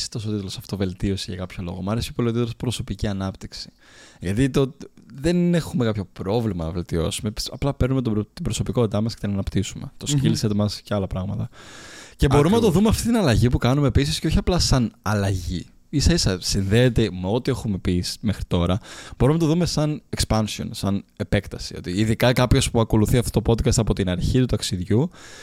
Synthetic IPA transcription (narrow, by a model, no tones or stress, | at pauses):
si̥t̪o̞sot̪it̪ulo̞sɐ̥ft̪ove̞lt̪io̞siʝɐkɐpço̞lo̞̰ɣo̞mɐɾesiopolot̪it̪lospɾo̞so̞piciɐnɐpt̪iksi̥ʝɐt̪it̪ot̪ðe̞nexume̞kɐpço̞pɾo̞vlimɐnɐve̞lt̪io̞̰sumepi̥sɐplɐpe̞ɾnumet̪ot̪ibɾo̞so̞piko̞t̪it̪ɐmɐscet̪enɐnɐpt̪isume̞̰t̪osciliset̪mɐsceɐlɐpɾɐɣmɐt̪ɐce̞bo̞ɾumenɐt̪oðumeɐft̪it̪inɐlɐʝipukɐnumepisisceoçiɐplɐsɐnɐlɐʝḭ | isɐisɐsinðeːt̪e̞meo̞t̪ie̞xume̞pisme̞xɾit̪o̞ɾɐb̥o̞ɾumenɐt̪oðume̞sɐnekspɐnsio̞̰nsɐne̞pe̞kt̪ɐsio̞t̪iːðikɐkɐpço̞spuɐko̞luθiɐft̪ot̪o̞po̞d̪kɐst̪ɐpo̞t̪inɐɾçit̪ut̪ɐksiðʝu